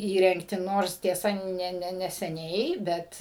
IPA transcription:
ˈiːrʲɛŋktʲɪ ˈnoːrs tʲiɛˈsɐ ˈnʲɛ ˈnʲɛ nʲɛsʲɛˈnʲɛɪ ˈbʲɛt

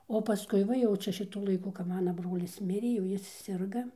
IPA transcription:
oː pɐˈskʊɪ ˈʋɐ jɛʊ ˈt͡ʃʲɛ ʃʲɪˈtʊ lˠɐɪˈkʊ kɐp ˈmɑːnɐ ˈbroːlʲɪs ˈmʲɪrʲeː jɛʊ ˈjɪs ˈsʲɪrɡɐ

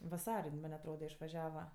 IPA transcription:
ʋɐˈsɐrʲ ˈjɪn ˈmɐnʲ ɐtˈroːdɐ ɪʃʋɐˈʒʲæːʋɐ

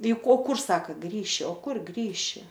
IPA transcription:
ɪ ˈkoː ˈkʊr ˈsɑːkɐ ˈɡrʲiːʃʲɪ oː ˈkʊr ˈɡrʲiːʃʲɪ

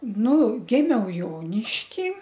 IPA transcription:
ˈnʊ ˈɡʲɪmʲɛʊ ˈjoːnʲɪʃʲkʲiː

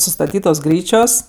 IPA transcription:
sʊstɐˈtʲiːtoːs ˈɡrʲiːt͡ʃʲoːs

